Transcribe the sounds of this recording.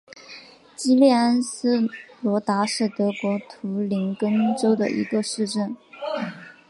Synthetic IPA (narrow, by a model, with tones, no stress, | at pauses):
t͡ɕi˥ljɛ˥˩a˥nsɹ̩˥lwɔ˧˥t̪a˧˥ʂɻ̩˥˩t̪ɤ˧˥kwɔ˧˥t̪ʰu˧˥li˧˥ŋkə˥nʈ͡ʂo˥ʊd̪ə̰˨ʔḭ˧˥ɡə˧ʂɻ̩˥˧ʈ͡ʂə˥˩n